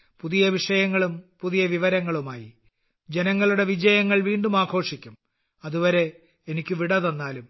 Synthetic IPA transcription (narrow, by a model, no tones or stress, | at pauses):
puðijɐʋiʂɐjɐŋːɐɭumpuðijɐʋiʋɐɾɐŋːɐɭumaːjḭ | d͡ʑenɐŋːɐɭuɽe̞ʋid͡ʑɐjɐŋːɐɭʋiːɳɖumaːɡʰʱo̞ːʂikʲːum | ɐðuʋɐɾe̞ | enikʲːuʋiɽɐðo̞nːaːlum